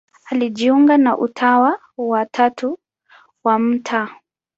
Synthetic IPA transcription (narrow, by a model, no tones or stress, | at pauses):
aliʄiuŋɡanaʔutʰawa | watʰatʰu | wam̩tʰa